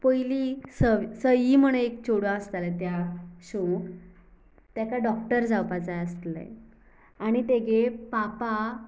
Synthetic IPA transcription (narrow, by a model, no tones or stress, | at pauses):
pəjlisəʋsəjiːm̤əɽ̃eekt͡ɕoɽãəst̪alat̪jaɕok | t̪jakaɖɔkʈəɾd͡zawpat͡sajəst̪lḛ | aɽ̃it̪eɡepapa